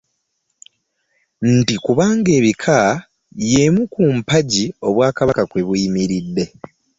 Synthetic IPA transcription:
n̩tikuβaːŋɡe̞ːβikʰa | jemukumpaɟio̞βwaːkaβakakwe̞βuimiɾidːe̞

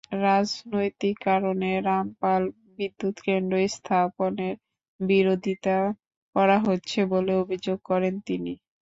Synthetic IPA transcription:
ɾad͡ʑnojt̪ikːaɾoneɾampal | bid̪ːut̪kenɖ̪oest̪ʰaponeɾ | biɾod̪ʱit̪a | kɔɾaɦotːɕʰeboleobʱid͡ʑoɡ̚kɔɾent̪ini

